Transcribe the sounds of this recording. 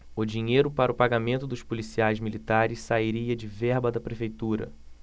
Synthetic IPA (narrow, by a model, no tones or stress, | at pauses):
ʊd͡ʒiɲejɾʊpaɾɐʊpaɡamẽnt̪ʊd̪ʊʃpulisiajzmilit̪aɾɪssaiɾiɐd͡ʒɪvɛɾbɐd̪ɐpɾefejt̪uɾɐ̰